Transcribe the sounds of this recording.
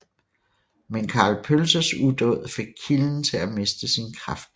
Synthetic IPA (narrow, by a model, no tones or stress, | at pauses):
menkʰɑ̈ːlpʰølsɐsud̥ɔð̰ˠfe̝ɡ̥̚kʰiln̩t͡sʰe̝læme̝sd̥əsinkʰʁɑ̈fd̥